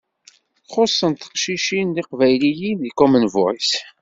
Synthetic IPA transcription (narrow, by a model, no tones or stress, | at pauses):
θχosˤːənt̪ə̥qʃiʃinliqvæjlijinðikumənvʊis